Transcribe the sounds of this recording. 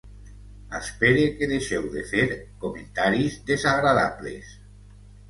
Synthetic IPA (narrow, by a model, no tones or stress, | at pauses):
a̰speɾekeðeʃɛwðefeɾkoment̪aɾizðezaɣɾaða̰βlḛs